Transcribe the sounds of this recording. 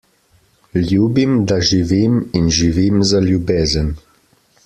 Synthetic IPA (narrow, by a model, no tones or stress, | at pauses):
lʲjuːbimd̪aʒiʋiminʒiʋimzaljubeːzən